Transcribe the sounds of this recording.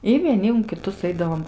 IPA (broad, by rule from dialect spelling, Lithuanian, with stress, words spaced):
ɪ ʋʲiɛˈnʲɪ ʊn kʲɪˈtʊs ˈɐɪdɐʋoːm